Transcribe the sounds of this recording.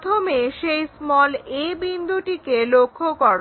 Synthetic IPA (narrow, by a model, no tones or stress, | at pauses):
t̪ʰomeʃejsmɔlebind̪ʱuʈikelokʰːokɔɾ